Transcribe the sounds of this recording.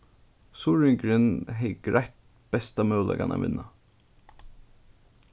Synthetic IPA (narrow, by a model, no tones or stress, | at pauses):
sʊɹɪŋkɾɪnɦɛjɡɾajht̪̚ | b̥ɛst̪amœwlʔa̰ka̰na̰ʋɪ̰nːa